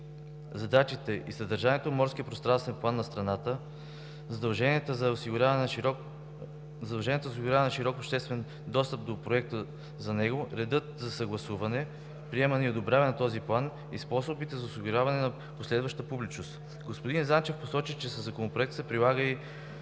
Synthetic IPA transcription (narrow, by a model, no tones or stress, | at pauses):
zɐd̪at͡ʃit̪ɛʔḭsɐd̪əɾʒaniɛt̪omɔɾskʲiəpɾost̪ɾanst̪vɛnplˠanːɐst̪ɾɐnat̪ə | zɐd̪ɐlˠʒɛniɛt̪əzɐosiɡʊɾʲav | zɐd̪ɐlˠʒɛnʲiɛt̪zosiɡʊɾʲavɛnɐʃiɾɔkopʃt̪ɛst̪vɛn | d̪ɔst̪əp̚d̪opɾoɛk̚t̪ə | zɐnɛɡoɾɛd̪ɤt̪zɐsɐɡlˠɐsuvɐnɛ | pɾiɛmɐniod̪obɾʲavɛnɐt̪ɔziplˠan | ḭspɔsobit̪ɛzɐosiɡʊɾʲjavɐnɛnɐ | poslɛd̪vɐʃt̪əpublit͡ʃnost̪ | ɡospod̪inzant͡ʃɛfposɔt͡ʃit͡ʃɛsəzːɐkonopɾoɛkt̪sɛpɾilˠaɡəi